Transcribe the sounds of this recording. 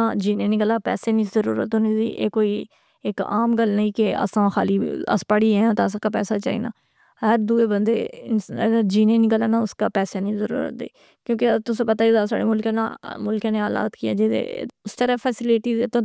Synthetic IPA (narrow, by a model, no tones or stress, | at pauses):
ad͡ʒiːneːnikəlaːpɛ̰ːseːnĩːzəɾṵːɾə̰t̪ʊniːziːʔḛːkoːiː | ɪka̰ːmɡəlnəĩːkɪə̰sãːxʰaːliːə̰spaːɽiːɛãːt̪aːəs̬ãːkaːpɛːsaːt͡ʃa̰ːḭːna̰ː | ɦəɾd̪uːeːbənd̪eːɪəd͡ʒiːneːniːkəlaːnaːʊskaːpɛːseːnĩːzəɾṵːɾə̰t̪̚d̪ḛː | kjõːkɪt̪ʊsẽːpət̪aːd͡ʒɪd̪asa̰ːɽeːmʊlkãːna̰mʊlkãːneːaːla̰ːt̪kiɛ̰ːd͡ʒɪḛʊst̪əɾəpʰɛːsɪlɪʈiːt̪ãː